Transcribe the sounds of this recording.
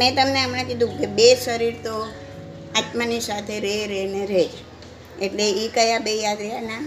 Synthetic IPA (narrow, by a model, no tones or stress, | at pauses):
mɛ̃t̪əmneəmɾãkid̪ʱũkebesəɾiɾt̪o | at̪manisat̪ʰeɾeɾeneɾe | eʈleikəjãbejad̪ɾɛɦana